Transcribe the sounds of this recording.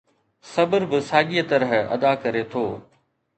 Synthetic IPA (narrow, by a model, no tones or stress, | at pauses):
sɐbəɾbɪsaːɡijət̪ɐɾəɦɐ̰d̪akɐɾet̪ʰoː